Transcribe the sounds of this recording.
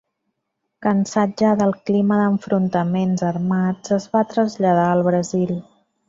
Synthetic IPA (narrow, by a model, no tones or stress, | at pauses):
kənsad͡ʒəðəlˠkliməðəɱfɾunt̪əmenzərmad͡zəzβat̪ɾəzʎəð̞aəlˠβ̞ɾəzil